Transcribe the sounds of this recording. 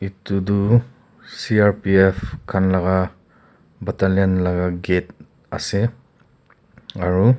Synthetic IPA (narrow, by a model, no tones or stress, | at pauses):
itudu | siaɾpiepʰkʰanlaɡa | bataljanlaɡaɡet̚ | a̰se | aɹu